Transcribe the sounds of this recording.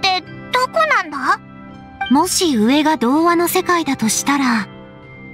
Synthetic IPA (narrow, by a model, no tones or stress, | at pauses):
t̪e̞d̪̥oko̞nãnd̪a | mo̞ɕiɯ̟e̞ɡad̪o̞ːβano̞se̞kaid̪at̪o̞ɕi̥t̪aɾa